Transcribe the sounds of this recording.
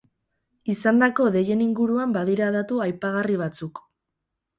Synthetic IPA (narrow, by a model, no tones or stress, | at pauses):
isand̪ako̞ðe̞je̞niŋɡuɾuambaðiɾaðat̪uajpaɣariβ̞at͡suk